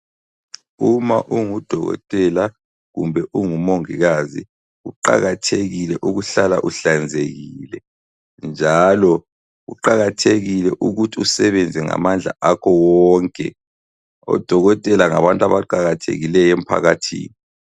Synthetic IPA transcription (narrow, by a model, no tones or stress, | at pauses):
umaʔuŋud̥ʱɔɣɔ̰tʼɛla | ɣṵmbʱɛʔuŋumoŋiɣazi | ɣuǃa̰ɣatʰeɣilɛʔuɣuɬala̰ʔuɬand͡zʱeɣilɛ | nd͡ʒʱalɔ | ɣuǃaɣatʰeɣilɛʔuɣutʰiusɛβɛnd͡zʱɛŋa̰mand͡ɮʱa̰ʔakʰɔwɔŋkʼɛ̰ | ɔ̰d̥ʱɔɣɔtʼɛlaŋa̰βantʼaβaǃaɣatʰḛɣilɛjem̩pʰa̰ɣatʰḭːni